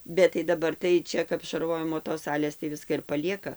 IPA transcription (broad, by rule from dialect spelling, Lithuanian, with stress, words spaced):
bʲɛt tɐɪ dɐˈbɐr tɐɪ ˈt͡ʃʲɛ kɐp ʃɐrˈʋoːjɪmoː toːs ˈsɑːlʲeːs tɐɪ ˈʋʲɪskɐ ɪr pɐˈlʲiɛkɐ